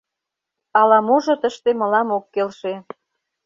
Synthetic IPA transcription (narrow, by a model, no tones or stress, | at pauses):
ɑlɑmoʒŏt̪əʃt̪emə̆lɑmokːelʃe